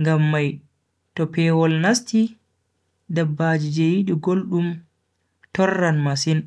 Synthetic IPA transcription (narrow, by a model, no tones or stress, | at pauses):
ŋɡamːaj | tɔpɛːwɔlnasti | dabːad͡ʒid͡ʒɛjiɗiɡolɗum | tɔrːanmasin